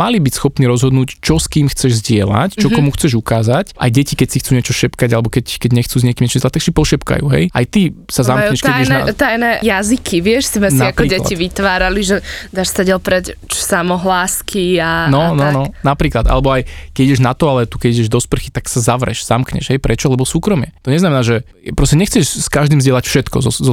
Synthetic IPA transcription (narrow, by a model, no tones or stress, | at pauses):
malibicsxɔpniɾɔzɦɔd̪nuːct͡ʃɔskiːmxt͡sɛʒzɟɪɛla̰ct͡ʃɔkɔmuxt͡sɛʒukaːzacʔa̰jɟɛcikɛcsixt͡suːɲɛt͡ʃɔʃɛpkaɟalɛbɔkɛckɛɟɲɛxt͡suːzɲɛkimɲɛt͡ʃimzɛlat̪ːaksipɔʃɛpka̰jṵːɦɛ̰ja̰jt̪isazamkkɲɛʃk̪ɛaiɛʒɛt̪ajnɛjazikʰiʋɪɛʃsimɛnsaakɾɔiːɟɛla̰iʋit̪ʋaːɾaliʒɛd̪aːʃsaɟɛlpɾɛct͡ʃsamɔɦlaːskʰianɔnɔnɔnapɾiːklad̪ʔa̰lɛbɔajkɛiɟɛʒnat̪ɔalɛt̪ukɛɟiɟɛʒd̪ɔspr̩xit̪aksazaʋɾɛ̰ʃz̥amkɲɛ̰ʒ̥ɦɛjpɾɛt͡ʃɔlɛbɔsuːkɾɔmɪɛt̪ɔɲɛznamɛnaːʒɛ | pɾɔscɛɲɛxt͡sɛʃskaʒd̪imzɟɪɛlacfʃɛt̪kɔ̰zɔzɔ